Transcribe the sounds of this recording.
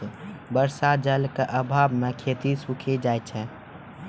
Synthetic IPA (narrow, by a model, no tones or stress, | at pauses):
bəɾsad͡ʒəlkeʔəbʱaːbmẽkʰet̪isukʰed͡ʒajt͡ʃʰɛ